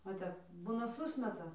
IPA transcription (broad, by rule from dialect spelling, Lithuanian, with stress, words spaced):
ʋɐ ˈtʲɛp ˈbuːnɐ ˈsʊsʲmʲɛtɐ